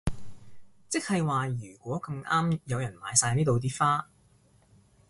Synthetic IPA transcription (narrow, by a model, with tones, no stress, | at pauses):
t͡sɪ˥k̚hɐ˨jwaː˨jyː˨˩kʷɔː˨˥kɐ˧mʔaː˥mjɐ˨˧wjɐ˨˩nma̰ː˨˧jsaː˧jniː˥t̪o˨˧wt̪̬iː˥faː˥